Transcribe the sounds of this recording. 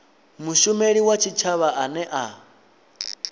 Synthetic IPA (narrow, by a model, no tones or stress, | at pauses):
muʃumeɺiwat͡ʃʰit͡ʃʰaβaʔanɛʔa